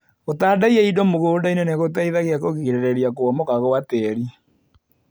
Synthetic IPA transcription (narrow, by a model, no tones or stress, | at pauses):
ɣotaːdaiaidɔmoɣoːdaineneɣotaiðaɣeakoɣiiɾeɾeɾiakoɔmɔkaɣoatɛɾi